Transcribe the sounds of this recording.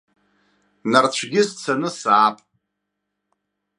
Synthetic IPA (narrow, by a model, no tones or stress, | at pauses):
nart͡ɕʷʰɡʲɪst͡sʰanɨsaːpʼ